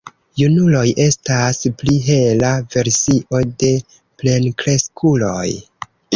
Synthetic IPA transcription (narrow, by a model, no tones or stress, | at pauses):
junulo̞jʔe̞staspliɦe̞lave̞ɾsiʔo̞de̞ | ple̞nkɾe̞skʰulo̞j